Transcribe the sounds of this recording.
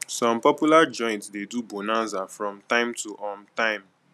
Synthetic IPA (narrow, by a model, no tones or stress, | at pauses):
sɔ̃mpɔpjulad͡ʒɔ̃ɪ̃ntsdedubonãzafɹɔ̃mtãɪ̃mtʰuʔɔ̃mtãɪ̃m